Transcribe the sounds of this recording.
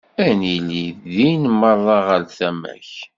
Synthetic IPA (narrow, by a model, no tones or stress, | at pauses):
æniliθðinmərˤːɑʁəlθæmæ̰ç